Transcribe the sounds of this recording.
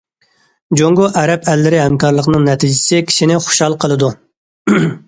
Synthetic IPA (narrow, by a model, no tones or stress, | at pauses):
d͡ʒoŋɡoʔɛɾɛpʰɛlːɪɾɪɦɛmkɑɾlˠəqnɨŋnɛt̪ʰid͡ʒɪsɪkʲʰi̥ʃinɪχo̥ʃhɑlˠqʰəlˠɨd̪u